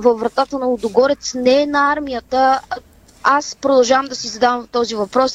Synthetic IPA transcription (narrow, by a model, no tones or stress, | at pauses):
vəfɾɐt̪at̪ənɐʊd̪ʊɡɔɾɛt̪snɛɛnɐaɾmijət̪ə | aspɾod̪ɐlˠʒavəmd̪ɐsizɐd̪avɐmt̪ɔzivɐpɾɔs